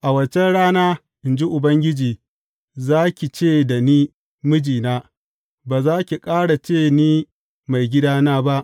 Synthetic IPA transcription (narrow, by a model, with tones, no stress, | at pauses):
ʔa˨wɐ˨t͡ʃɛ˦nɽaː˦naː˦ | ʔɪ˨nd͡ʒi˦ʔʊ˨bɐ˦ŋɡʲɪ˦d͡ʒiː˨ | zaː˦kʲi˨t͡ʃeː˦˨da˨niː˦ | mʊ˦d͡ʒiː˨naː˦ | baː˨zaː˦kʲi˨kʼaː˦ɽa˨t͡ʃeː˦˨niː˦ | ma˨jɡʲɪ˦daː˦naː˦ba˦ʔ